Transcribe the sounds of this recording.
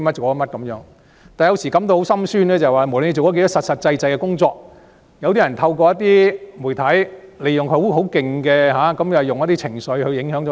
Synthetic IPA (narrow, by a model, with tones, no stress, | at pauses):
mɐ˥t̚t͡ʃo˨wkɔ˧˥mɐ˥t̚kɐ˨˧˥mjœː˨˥ŋ | t̪aː˨jɐ˧wsiː˨˩kɐ˨˥mt̪o˧who˨˥wsɐ˥msyː˥nlɛː˥t͡sɐ˨˩jwaː˨˩mu˨˩lne˧t͡so˨wkɔ˦˥ke˧˥t̪ɔ˥sɐ˨t̚sɐ˨t̚t͡sɐ˧jt͡sɐ˧jkɛː˧kʊ˥ŋt͡sɔː˧k̚ | jɐ˨˧wt̪iː˥jɐ˨˩nt̪ʰɐ˧wkɔː˧jɐ˥t̚t̪iː˥mu˨˩jt̪ʰɐ˨˥jle˨˧jʊ˨ŋkʰo˧˨˥wɦo˨˥wkɪ˨ŋkɛː˧ɦaː˨˥kɐ˨˥mjwjʊ˨ŋjɐ˥t̪i˥t͡sʰɪ˨˩ŋsɵ˨˧ɥhɵ˨˧ɥjɪ˨˧˥ŋɦœː˨˧˥ŋt͡sɔ˨˦